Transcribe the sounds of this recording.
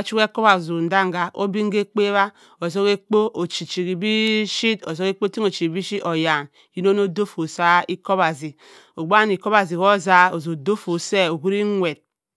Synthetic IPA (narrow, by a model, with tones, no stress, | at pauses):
a˦t͡ʃu˦ke˦ko˦ba˨zo˨n̩˨˦da˦ŋ˦ɡa˨ʔo̰˦bi˦ŋ̩˦ɡe˦k͡pe˦βa˦ | o˨zo˦ke˦k͡po˦ʔo˨t͡ʃi˨t͡ʃi˨ki˨bi˦ʃi˦to˨zo˦ke˦k͡po˦ti˦ŋo˨t͡ʃi˨i˨bi˦ʃi˦o˨ja˨n | ji˦no˦no˦do˦fo˨sa˦i˦ko˦ba˨zi˨ | o˨ɡ͡ba˦ni˨ko˦ba˨zi˨ko˦za˦o˨zo˨do˦fo˨se˦o˨ɡu˦ɾi˦ŋʷe˨t̚